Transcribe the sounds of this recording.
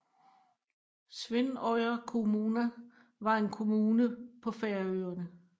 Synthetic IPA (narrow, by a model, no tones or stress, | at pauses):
sʋe̝nɒɪɐkʰo̝muːnɐ | ʋɑ̈e̝nkʰo̝muːnəpʰɒ̽feɐøːɐnə